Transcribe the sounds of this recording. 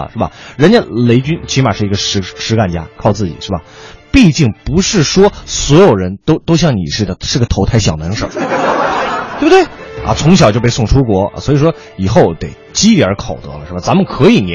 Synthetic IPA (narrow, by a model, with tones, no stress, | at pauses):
ʂɻ̩˥˩bɐ̰˩ɻə˧˥nt͡ɕɛ˥le˧˥ɪt͡ɕy˥nt͡ɕʰi˧˥ma̰˨˩ʂɻ̩˥˩i˧˥ɡə˧ʂɻ̩˧˥ʂɻ̩˧˥ka˥˩nt͡ɕja̰˥kʰɑ˥˧ʊt͡sɹ̩˥˩t͡ɕḭ˨˩ʂɻ̩˥˩bɐ˩pi˥˧t͡ɕi˥˩ŋpu˧˥ʂɻ̩˥˩ʂwɔ˥swɔ˧˥jo˨˩ʊɻə˧˥nt̪o˥ʊt̪o˥ʊɕ̬jɑ˥˩ŋnḭ˨˩ʂɻ̩˥˩ə˩ʂɻ̩˥˩ɡə˩t̪ʰo˧˥ʊt̪ʰa˥˩ɪɕjɑ˨˩ʊnə˧˥ŋʂə̰˨˩˥ | t̪wbə˩t̪we˥˩ɪɐ̰˧˩t͡sʰʊ˧˥ŋɕjɑ˨˩ʊt͡ɕjo˥˧ʊpe˥˧ɪsʊ˥˩ŋʈ͡ʂʰu˥kwɔ̰˧˥˧swɔ˧˥i˨˩ʂwɔ˥ | i˨˩xo˥˩ʊt̪e˨˩ɪ | t͡ɕi˥li˧˩ə˞˧˥kʰo˨˩ʊt̪ɤ̰˧˥lə̰˧ʂɻ̩˥˩ba˨˩t͡sa˧˥mə˨˧kʰɤ˧˥i˨˩ni˨˩˥